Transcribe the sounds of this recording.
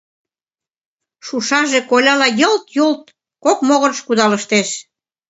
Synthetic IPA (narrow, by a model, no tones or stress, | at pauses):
ʃuʃɑʒĕkolʲɑlɑjɤlt̪jolt̪ | kokmoɣənʃkud̪ɑlə̆ʃt̪eʃ